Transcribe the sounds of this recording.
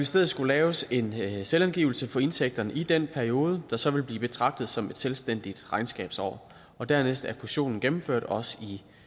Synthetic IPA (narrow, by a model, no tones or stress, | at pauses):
esd̥eð̩ˠsɡ̥ulɛːʊse̝nselænɡ̥iːʊl̩səfɒ̽e̝nsʰeɡ̥̚d̥ɐnəʔid̥en̰pʰæɐio̝ːð̞ˠəd̥ɑ̈sɒ̽ʋe̝lb̥liːb̥e̝t͡sʰʁɑ̈ɡ̥̚d̥ð̩ˠsɒ̽me̝d̥selsd̥en̰d̥id̥ʁɑ̈ɪnsɡ̥ɛ̰ːb̥sɒ̰ː | ɒ̽d̥æɐ̰nesd̥æɐfuɕo̝̰ːnn̩ɡ̥em̩føɐ̰d̥ɒ̽si